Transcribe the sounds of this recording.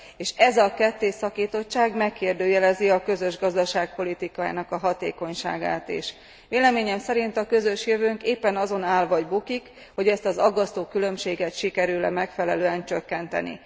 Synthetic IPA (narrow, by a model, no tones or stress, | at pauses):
eːʃɛzɒkɛt̪ːeːsɒkiːt̪o̞t͡ʃːaːɡmɛkʰːeːrd̪øːjɛlɛziɒkø̞zøʒɡɒzd̪ɒʃaːk̚po̞lit̪ikaja̰ːnɒkɒɦɒt̪ḛːko̞ɲʃa̰ːɡa̰ːt̪ḛʃ | ʋeːlɛmeːɲɛmsɛɾin̪t̪ɒkø̞zø̞ʃjøvøːŋkeːpːɛnɒzo̞naːlvɒɟbukik | ho̞ɟɛst̪ɒzɒɡːɒst̪oːkylø̞mʃeːɡɛt̪ʃikɛɾyːlɛ̰mɛkfɛlɛløːɛnt͡ʃø̞kːɛnt̪ɛ̰nḭ